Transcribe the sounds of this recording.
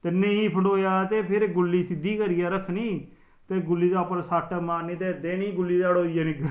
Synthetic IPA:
t̪eːnẽiːpʰəɳɖoːjaːt̪eːpʰɪɾɡʊlːiːsɪd̪iːkəɾiːjaːɾəkʰːnĩː | t̪eːɡʊlːiːd̪aːpəɾsaːʈʰːaːmaːnːĩːt̪eːd̪eːniːɡʊlːiːd̪aːɽoːiːjaːnɪkɾ

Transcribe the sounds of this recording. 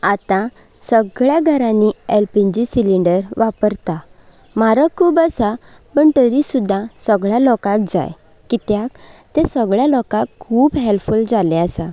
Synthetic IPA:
at̪ã | səɡɭjaɡʱəɾãnːiɛlpiɲd͡ʑisiliɳɖəɾʋapəɾt̪a | maɾakʰuːbəsa | pəɳt̪əɾisud̪ʱːãsəɡɭjalɔkãk̚d͡za̰j | kit̪jakt̪ɛ̃səɡɭjalɔkãkʰːuːbɦelfuld͡zalẽəsa

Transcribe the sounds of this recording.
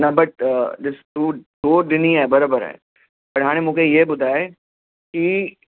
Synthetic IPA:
nɐbɐʈ̚ɗɪst̪ud̪oːɾɗɪniaːebɐɾaːbəɾɦɛ̰ː | pɐɾɦaːɽ̃ẽmũːkʰejebʊd̪ʱaːe | ki

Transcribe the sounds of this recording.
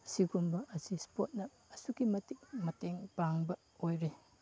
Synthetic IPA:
siɡumbɐʔɐsispot̚nɐːsuɡimɐtik̚mɐteŋbaŋbɐ | ojɾe

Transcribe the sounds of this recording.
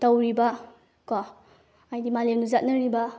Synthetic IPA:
towɾibɐ | kɔ | ajdimalemnuzat̚nɐɾibɐ

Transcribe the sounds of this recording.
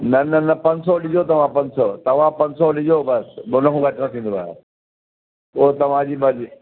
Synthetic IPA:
nɐnɐnɐpɐ̃ɲsɔlɪd͡ʑʱot̪ɐʋ̤ãpɐ̃ɲsɔt̪ɐʋ̤ãpɐ̃ɲsɔlɪd͡ʑʱobɐsbonɐɦũɡʱɐʈnɐt̪ʰĩːnd̪oaːjo | oːɦt̪ɐʋ̤ãd͡ʑiːbɐd͡ʑi

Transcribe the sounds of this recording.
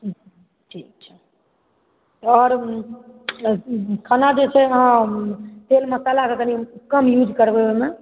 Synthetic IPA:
ʈʰiːk̚t͡ʃʰɛ̥ | t̪ɔɾ | kʰanad͡ʒet͡ʃʰɛəɦãt̪elməsalakek̪ənikəmjud͡ʒkəɾbeeme

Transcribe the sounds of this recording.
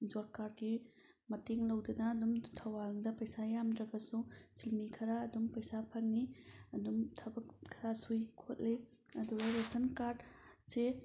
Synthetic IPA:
d͡ʒoɾkaɾɡi | mɐteŋlɐwdɐnɐːdumtʰɐwalŋdɐpɐjsajamdɾɐɡɐsusilmikʰɐɾaːdumpɐjsapʰɐŋniɐdumtʰɐbɐkkʰːɐɾasujkʰot̚liɐduɡɐɾetʰɐnkaɾdse

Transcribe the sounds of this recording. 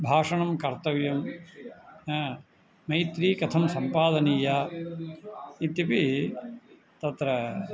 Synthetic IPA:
bʱaːʂɐɳɐmkɐɾt̪ɐʋjɐm | mɐjt̪ɾiːkɐt̪ʰɐmsɐmpaːd̪ɐniːjaː | it̪jɐpi | t̪ɐt̪ɾɐ

